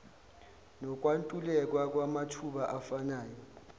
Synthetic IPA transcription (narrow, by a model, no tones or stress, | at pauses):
nɔk̬ʼwantʼulɛk̬ʼwak̬ʼwamatʰuɓaʔafanaːjɔ